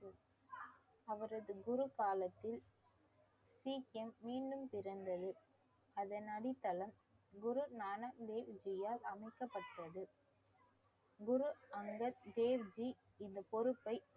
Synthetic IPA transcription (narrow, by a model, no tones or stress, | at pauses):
ɐʋɐɾɐðɯɡʊɾukaːlɐt̪ːɪl | siːɛmːiːɳɖɯmpɪɾɐnd̪ɐðɯ | ɐðɐnɐɽɪt̪ːɐlɐm | ɡʊɾunaːnɐkd̪eːʋd͡ʒɪjaːlɐmɐɪkːɐpːɐʈːɐðɯ | ɡʊɾuɐŋɡɐɾd̪eːʋd͡ʒi | ɪnd̪ɐpɔɾɯpːɐɪ